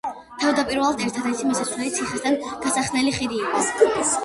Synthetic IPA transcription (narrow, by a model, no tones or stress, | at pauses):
t̪ʰavd̪apʼiɾvɛlˠad̪ʰɛɾt̪ʰad̪ɛɾt̪ʰimɔsasɾɛlit̪sʰiχɛsd̪anɡ̥̪asaχnɛliχiɾiːqʼɔ